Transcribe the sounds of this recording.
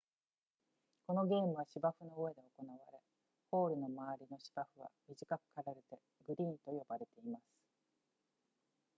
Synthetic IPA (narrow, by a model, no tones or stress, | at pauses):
ko̞no̞ɡe̞ːmɯ̟β̞aɕibaɸɯ̟no̞ːe̞d̪e̞o̞ko̞naβaɾe̞ | ho̞ːɾɯ̟no̞maβaɾʲino̞ɕi̥b̥aɸɯ̟β̞a̰mʲiʑikakɯ̟̥kaɾaɾe̞t̪e̞ | ɡɯ̟ɾʲĩːnt̪o̞jo̞baɾe̞t̪e̞imasɨ̥